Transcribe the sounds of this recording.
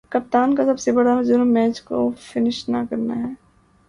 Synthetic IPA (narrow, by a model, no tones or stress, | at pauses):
kɐp̚t̪aːnkasɐbsebɐɽad͡ʒʊnmːɛːt͡ʃko̰fɪnɪʃnakɐɾna̰ɦɛː